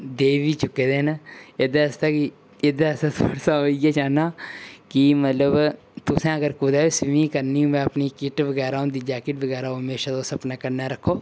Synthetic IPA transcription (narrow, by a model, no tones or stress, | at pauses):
d̪eːʋiːt͡ʃʊkːeːd̪eːned̪eəst̪aki | ed̪eəsat̪ʰoːɽsaoːiɡeːt͡ʃaːnaːkimət̪ləb | t̪ʊsẽːəɡəɾkuːd̪aːesɪmĩkəɾniːũːmɛ̃ːəpniːkɪʈʋəɡɛːɾaːõnd̪iːd͡ʒaːkɪʈʋəɡɛːɾaːoɦəmeːʃad̪oːsəpnaːkəɾnaɾəkʰːoː